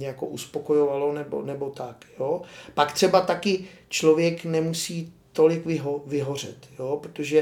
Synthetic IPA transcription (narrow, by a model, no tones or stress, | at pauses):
ɲɛjakoʔuspo̞ko̞jo̞valo̞nɛbo̰nɛbo̞t̪akjoːpakt̪r̝̥ɛbat̪akɪt͡ʃlo̞vjɛknɛmusiːt̪o̞lɪkvɪɦovɪɦo̞r̝ɛ̰t̪joːpɾot̪oʒɛ